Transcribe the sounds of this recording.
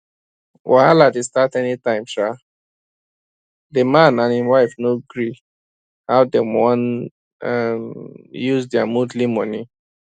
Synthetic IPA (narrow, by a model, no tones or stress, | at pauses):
wʔaaladestatɛnitãɪ̃mʃa | demãnãninwaɪfnoɡɹi | haʊdemɔ̃n | mjuzdɛamudlimɔni